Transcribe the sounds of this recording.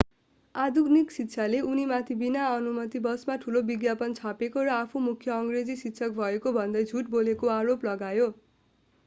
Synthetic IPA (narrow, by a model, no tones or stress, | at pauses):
ad̪ʱuɡniksitːt͡sʰaleʔunimat̪ʰibinaʌnumʌt̪ibʌsmaʈʰulobiɡjapʌnt͡sʰapekoɾʌapʰumukʰːjʌʌŋred͡zisitːsʰʌk̚bʱʌekobʱʌnd̪ʌjd͡zʱuʈbolekoaɾoplʌɡajo